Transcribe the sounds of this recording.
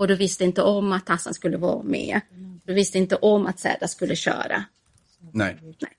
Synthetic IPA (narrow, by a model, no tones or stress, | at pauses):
ɔd̪ɵvɪst̪əɪnt̪əʔɔmːat̪ʰːasːanskɵlːəvɑːmɛ̰ːd̪ɵvɪst̪əɪnt̪əʔɔmːat̪sɛ̰ːd̪askɵlːəɕœ̰ːɾa̰ | nɛnɛ